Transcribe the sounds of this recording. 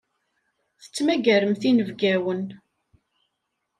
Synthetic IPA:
θə̥t͡sːmæɡæɾəmθinəvɡæwən

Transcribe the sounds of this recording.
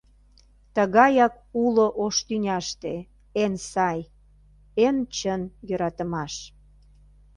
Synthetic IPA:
t̪əɣɑjɑk̚ | uloʔoʃt̪ynʲɑʃt̪e | ensɑj | ent͡ɕənjøɾɑt̪əmɑʃ

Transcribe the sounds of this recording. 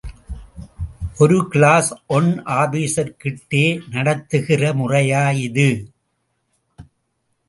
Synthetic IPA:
ʔɔɾɯkɪɭaːsʔɔɳʔaːbiːsɐɾkɪʈːeːnɐɽɐt̪ːɯɣɪrɐmʊrɐjaːjɪðɯ

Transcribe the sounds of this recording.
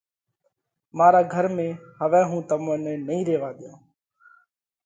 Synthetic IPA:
maːɾaːɡʱəɾmẽːhəʋɛ̃ːɦũːt̪əmõːnɛːnəĩːɾeːʋaːd̪ɪjõː

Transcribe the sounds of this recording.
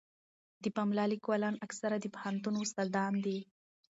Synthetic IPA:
d̪əpamlɑlikwalɑnaksaɾad̪əphant̪unʊsald̪ɑnd̪i

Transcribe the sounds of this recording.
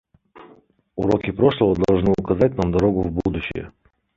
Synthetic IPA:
uɾokʲipɾɔʂlˠəvəd̪ɐlˠʐʒnɨʊkɐzat̚ʲnamd̪ɐɾoɡʊvbud̪uɕɪ̰jə̰

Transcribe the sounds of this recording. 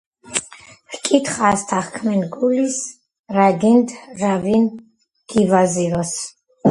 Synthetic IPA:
hkʼit̪ʰχaːst̪ʰaχkʰmɛnɡulis | ɾaɡind̪ɾavin | ɡ̥ivaziɾɔs

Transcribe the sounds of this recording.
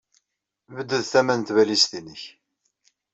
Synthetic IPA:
vəd̪ːəðθæmænt̪vælist̪inəç

